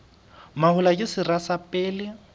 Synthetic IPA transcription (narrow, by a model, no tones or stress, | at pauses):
mahʊlakʼɪsɪrasapʼɛːlɪ